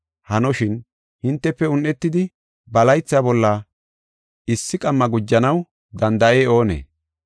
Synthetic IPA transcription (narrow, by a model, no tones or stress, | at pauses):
hɐnɔʃɪn | hɪnt̪ːɛpːɛʊnːɛt̪ːɪd̪ɪ | bɐlɐjt͡sːabɔlːɐ | ɪsːɪkʼɐmːɐɡʊd͡ʒːɐnɐw | d̪ɐnd̪ɐʔe̞ːo̞ːnḛː